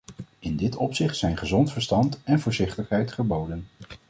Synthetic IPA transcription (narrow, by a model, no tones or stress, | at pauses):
ɪndɪtɔpsɪχtsɛjnχəzɔntfəɹstɑntɛnvʊːɹzɪχtəχɦɛjtχəbowdən